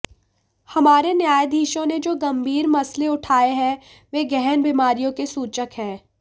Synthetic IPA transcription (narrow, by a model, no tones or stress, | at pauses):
hɐmaːɾenjaːjd̪ʱiːʃõned͡ʒoːɡɐ̃mbʱiːɾmɐsleʊʈʰaːeɦɛ̃ | ʋeːɡɛɦnbimaːɾijõkesuːt͡ʃəkɦɛ̃ː